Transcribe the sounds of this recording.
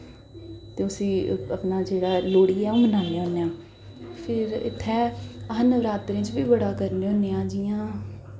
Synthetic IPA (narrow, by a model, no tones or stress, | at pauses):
t̪eːʊsĩːəpnaːd͡ʒeːɽaːloːɽiːɛːũːbənãːneːɦõːneãː | pʰɪɾɪ̰t̪ʰːɛːəɦənəʋɾaːt̪ɾẽːt͡ʃbiːbəɽaːkəɾneːõːneːãːd͡ʒijãː